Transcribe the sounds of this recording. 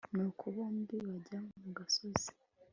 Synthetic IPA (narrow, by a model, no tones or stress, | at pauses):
nokʰuβoːmbiβaɟamuɡasozi̥